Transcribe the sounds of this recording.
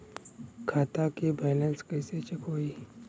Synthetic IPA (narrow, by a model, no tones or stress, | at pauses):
kʰaːt̪akebeːlə̃nskɛːset͡ʃəkɦoːiː